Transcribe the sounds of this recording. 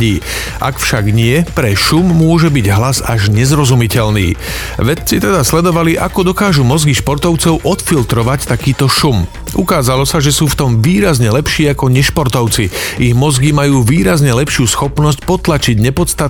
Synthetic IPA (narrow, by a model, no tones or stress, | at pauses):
iː | ʔa̰kfʃaɡɲɪɛpɾɛʃumːʊɔʒɛbiɟɦlazaʒɲɛzɾɔzumicɛlnḭː | ʋɛt̪t͡sit̪ɛd̪aslɛd̪ɔʋaliʔakɔd̪ɔkaːʒumɔzɡiʃpɔɾt̪ɔʊt͡sɔʊʔɔt̪filt̪ɾɔʋact̪akiːt̪ɔʃum | ʔukaːzalɔsaʒɛsuːft̪ɔmʋiːɾazɲɛlɛpʃiːakɔɲɛʃpɔɾt̪ɔʊt͡siiɣmɔzɡimajuːʋiːɾazɲɛlɛpʃɪuːsxɔpnɔs̬c̚pɔt̪lat͡ʃiɟɲɛpɔt̪st̪at̪